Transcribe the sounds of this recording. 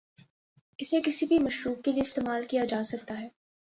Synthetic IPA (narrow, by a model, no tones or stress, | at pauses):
ɪsekɪsibʱimɐʃɾuːk̚ːelieɪst̪eːmaːlkijad͡ʒaːsɐk̚t̪aɦɛː